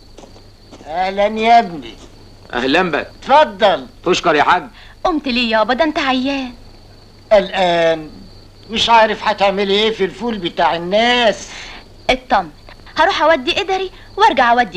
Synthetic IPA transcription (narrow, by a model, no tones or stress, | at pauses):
ʔæhlænjæbnḭ | ʔæ̰hlæmbæ̰kt̪fɑd̪ˤːɑlfoʃkɑɾjiħaɡːʔomt̪liːjæbɑd̪ˤæʔnt̪aʕajːæːn | ʔælʔæːn | mɪʃʕaːɾefhat̪eʕmelʔeːfilfuːlbet̪aːʕenːæːs | ʔet̪ˤːɑmːet̪ | hɑɾuːħʔæwæd̪ːiʔed̪ɑɾi | wɑɾˤɡaʕʔæwæd̪ːi